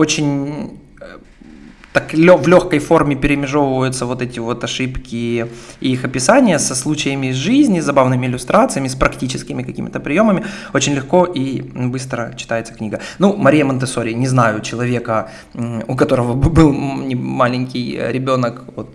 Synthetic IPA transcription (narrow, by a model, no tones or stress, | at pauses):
ot͡ɕɪnʲ | t̪aklʲovlʲo̞xkəjfo̞rmʲɪpʲɪɾʲɪmʲɪʐo̞vəvəjʊt̪səvo̞t̪ɛtʲɪvo̞t̪ɐʂɨpkʲɪ | ixɐpʲɪsanʲɪjəsɐslˠut͡ɕɪjəmʲɪzʐɨzʲnʲɪzɐbavnɨmʲɪɪlʲʊst̪ɾat̪sɨjəmʲɪspɾɐktʲit͡ɕɪskʲɪmʲɪkɐkʲimʲɪt̪əpɾʲɪjo̞məmʲɪot͡ɕɪnʲlʲɪxko̞ʔibɨst̪ɾət͡ɕɪ̥t̪ajɪt̪sə̥knʲiɡənumɐɾʲijəmənt̪ɨsoɾʲɪjnʲɪznajʊt͡ɕɪlˠɐvʲe̞kə | ʊkɐt̪o̞ɾəvəbɨlˠnʲɪmalʲɪnʲkʲɪjɾʲɪbʲo̞nəkvot̪̚